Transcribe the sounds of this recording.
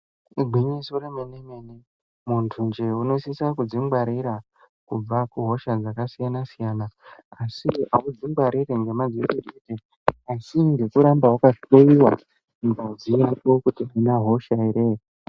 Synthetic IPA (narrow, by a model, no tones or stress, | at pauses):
ɡʱiɲisoremenemene | muntʰund͡ʒeuno̞sisakud͡ziŋɡwaɾiɾa | kub͡vakuɦo̞ʃad͡zakasijanasijanaːsiaud͡ziŋɡwaɾireŋɡe̞mad͡zitidite | asiŋɡe̞kuɾambawakaɓoiwa | mbad͡zijapo̞kutiainaɦo̞ʃaiɾe